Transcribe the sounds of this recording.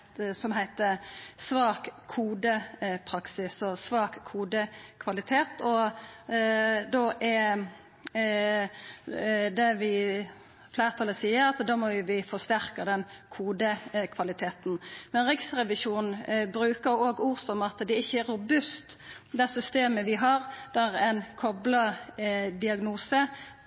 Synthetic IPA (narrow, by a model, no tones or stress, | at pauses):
sɔmɦæɪt̪əsʋɑːkʰːuːd̪əpʰɾɑksɪsɔsʋɑːkʰːuːd̪əkʰʋɑlɪt̪ʰeːt̪ɔ | d̪oːʔɛ | d̪ɛʋɪ | flæɪʁt̪ʰɑlːəsiːəɾɑt̪d̪ɑːmɔʊʋɪfɔst̪æɾkɑd̪ɛnkʰuːd̪əkʰʋɑlɪt̪ʰeːt̪nmɛnɾɪksɾɛʋɪʃuːnnbɾʉːkəɾoːɡuːɾsɔmɑt̪d̪ɛɪçːəæɾɾʊbʉst̪d̪æsʏst̪eːməʋɪɦɑɾd̪̥æɾɛnkʰɔblə | d̪ɪɑɡnuːsə